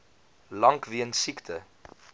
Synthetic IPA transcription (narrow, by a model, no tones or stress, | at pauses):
lɐŋkviənsiktʰə